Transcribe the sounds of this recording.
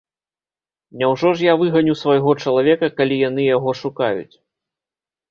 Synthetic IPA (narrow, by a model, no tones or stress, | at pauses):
nʲawʐɔʐjavɨɣɐnʲusvɐjɣɔt͡ʂɐlˠavʲɛkɐkalʲijanɨjaɣɔʂukajṵt͡sʲ